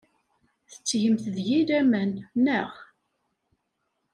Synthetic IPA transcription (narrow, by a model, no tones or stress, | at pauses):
θə̥t͡sːjəmθəðjiɾæmænːəχ